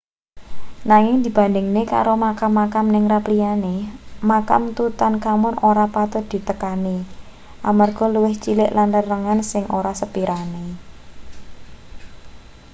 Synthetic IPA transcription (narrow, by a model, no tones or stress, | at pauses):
naŋɪŋd̪̥i̤b̥a̤nd̪ɪŋneka̰ɾomakamːakamnɪŋraplianemaka̰mt̪ut̪ankamʊnoɾapat̪ʊd̪̥i̤t̪əkani | ʔamarɡ̥ɔ̤luwɪht͡ʃilɪʔlanlərːəŋansɪŋʔoɾasəpiɾane